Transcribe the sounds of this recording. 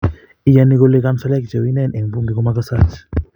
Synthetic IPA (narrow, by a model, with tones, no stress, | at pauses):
i˦jani˦ko˦le˦ka˦msa˦lɛ˦k̚d͡ʒa˨wi˦nɛ˦˨nʔɛ˨ŋbu˦ŋɡi˨ko˦makasat͡ʃ